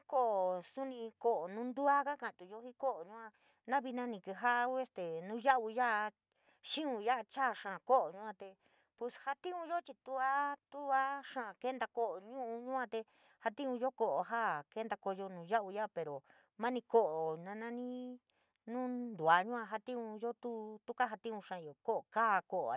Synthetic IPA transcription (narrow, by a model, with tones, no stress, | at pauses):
ko˦ʔo˨su˦nĩ˧ko˨ʔo˨nũ˦nd̪u˦a˦ka˦kã˨˧t̪u˨jo˧˦hi˦ko˦ʔo˨ɲũ˦ã˧ | nã˦βi˧nã˧nĩ˧kɨ˧ɦa˦ʔe˦st̪e˨nũ˦ʒa˦ʔu˧ja˦ʔ | ʃĩ˦ũ˧ja˦ʔa˧t͡ʃa˦˨˧ʂã˨ko˦ʔo˨ɲũ˧ã˧t̪e˧ | pu˧sha˧t̪ĩ˦ũ˧jo˦t͡ʃi˧t̪u˧a˦t̪u˦a˦ʂã˦˧˨ke˦nd̪a˧ko˦ʔo˨ɲũ˦ũ˧ɲũ˦ã˧t̪e˧ | ha˧t̪ĩ˦ũ˧ʒo˦ko˧˨ʔo˧ɦa˦ke˦nd̪a˧ko˧o˧nũ˧ʒa˦ʔu˧ja˦pe˨ɾo˨ | mã˦nĩ˧ko˦ʔo˨nã˧nã˦nĩ˦ | nũ˦nd̪u˨a˨˧ɲũ˦ã˧ɦa˧t̪ĩ˦ũ˧ʒo˦t̪u˦t̪u˦ka˦ɦa˧t̪ĩ˦ũ˧ʂã˧jo˨ko˦ʔo˨kaː˦˧ko˧ʔa˨